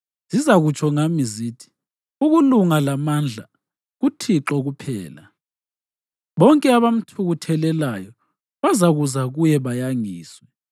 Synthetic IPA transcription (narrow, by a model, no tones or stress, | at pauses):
z̥izaɣut͡ʃʰʼɔŋamiziːtʰi̥ | uɣuluŋalamand͡ɮʱa̰ | ɣutʰiǁɔɣupʰɛ̰ːla | βɔŋkʼɛaβam̩tʰuɣutʰɛlɛlajɔ | βazaɣuzaɣujɛβajaŋiːswɛ